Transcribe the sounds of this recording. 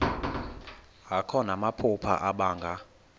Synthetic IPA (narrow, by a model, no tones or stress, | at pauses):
ɦakʰɔnamapʰupʰa̰ʔaɓaːŋɡʱa